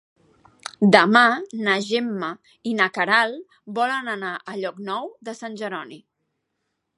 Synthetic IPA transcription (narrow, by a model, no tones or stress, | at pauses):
d̪əmanəʒemːə | inəkəɾalˠ | bɔlənənaʔəʎɔknɔwðəsanʲʒəɾɔni